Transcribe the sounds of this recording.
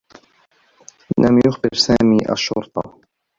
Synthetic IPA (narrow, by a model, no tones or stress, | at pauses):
lamjʊxbɪɾsaːmiːʔa̰ʃːʊɾt̪ˤɑ